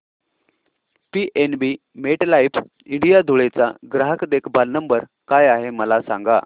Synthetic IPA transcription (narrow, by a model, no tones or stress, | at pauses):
piʔenbi | meʈlaip | iɳɖijad̪ʱuɭet͡sa̰ɡɾaɦəkd̪ekbʱalnəmbəɾ | kajaɦeməlasa̰ŋɡa̰